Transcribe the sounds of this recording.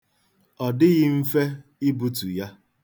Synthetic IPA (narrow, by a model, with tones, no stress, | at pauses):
ɔ˨dɪ˦ɣɪ˦m̩˦fe˦ɪ˦bu˦tu˨ja˦